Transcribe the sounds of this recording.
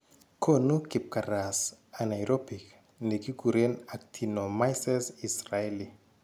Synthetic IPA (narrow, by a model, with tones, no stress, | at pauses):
kʰo˦nu˦ki˨p̚ka˨ɾa˨sa˨na˨jɾo˦pi˨k | ne˨ki˦ɡu˨ɾe˦na˨k̚tʰi˨no˨ma˦jsɛ˦si˨sraeli˨